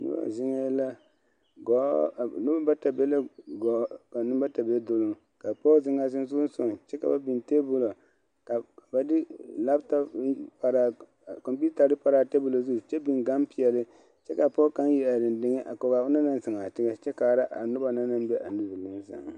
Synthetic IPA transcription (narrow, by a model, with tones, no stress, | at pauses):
nʊ̰˦ba̰˨zɪ˦ŋɛ˦la˦ | ɡɔ˨˦˨nu˦ba˦ba˦ta˨be˦la˦ɡɔ˨˦ka˨nu˦ba˦ta˨be˦do˦lʊ˦ŋ | ka˨pɔ˦zɪ˦ŋa˦zɪ˦nzu˦n˦so˨n˨t͡ʃɛ˦ka˨ba˦bi˨nte˦bʊ˦lo˨ | ka˨ba˨dɪ˦la˦bta˦pa˨ɾa˨ | ko˨mpi˦ta˨dɨ˦pa˨ɾa˨te˦bʊ˦˨lo˨zu˦˨t͡ʃɛ˦bi˨ŋɡa˦mpi˨jɛ˨lɨ˦ | t͡ʃɛ˦ka˨pɔ˦ka˦nji˦a˨dɪ˨ndɪ˦ŋɛ˦ʔa̰˨ko˨ɡa˨ʊ˦na˦na˦n˦sɪ˨ŋa˨tɪ˦ɡɛ˦t͡ʃɛ˦kaː˨ɾa˦ʔa̰˨nʊ˦ba˨na˦na˦m˦bɛ˦ʔa˨nu˦zu˨lɪ˦n˦za̰˨ŋ˨